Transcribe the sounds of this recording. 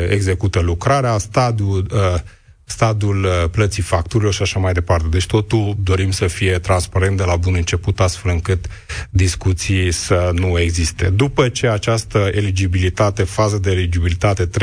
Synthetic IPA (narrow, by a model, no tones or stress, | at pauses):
e̞̰ɡze̞kut̪əlukɾaɾeast̪ad̪iuə | st̪ad̪iulplət̪sifak̚t̪uɾilo̞rʃiaʃamajd̪e̞part̪e̞d̪e̞t͡ʃʲt̪o̞t̪uld̪o̞ɾimsəfije̞t̪ɾanspaɾe̞nt̪̚d̪elabunɨnt͡ʃe̞put̪ast̪fe̞lɨŋkɨt̪ | d̪iskut̪sisənue̞ɡzist̪e̞d̪upət͡ʃe̞at͡ʃast̪əelid͡ʒibilit̪at̪e̞fazəd̪eːlid͡ʒibilit̪at̪e̞t̪